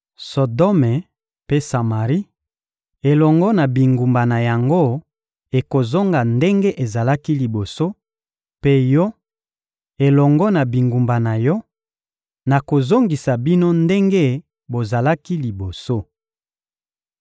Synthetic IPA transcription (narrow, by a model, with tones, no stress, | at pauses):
so˨dɔ˦me˨ | pe˦sa˨ma˨ʁi˦ | e˨lɔ˨ŋɡɔ˦na˨bi˨ŋɡu˨mba˨na˨ja˨ŋɡo˦ | e˨ko˨zo˦ŋɡa˨nde˦ŋɡe˦ʔe˨za˨la˦ki˦li˨bo˨so˦ | pe˦jɔ˦ | e˨lɔ˨ŋɡɔ˦na˨bi˨ŋɡu˨mba˨na˨jɔ˦ | na˨ko˨zo˦ŋɡi˨sa˨bi˦no˦nde˦ŋɡe˦ | bo˨za˨la˦ki˦li˨bo˨so˦